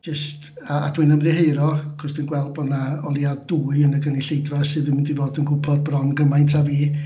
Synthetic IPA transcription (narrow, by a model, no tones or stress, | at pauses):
d͡ʒəst | aa̰d̥winəmðɨheɨɾɔkʰɔsd̥ɨnɡwɛlˠbɔdnaɔlˠjadduːɨənəɡəniɬejdrɔsɨðvɪnmɪndivoːdənɡʰʊpʰɔd̚brɔnɡəmajntʰaviː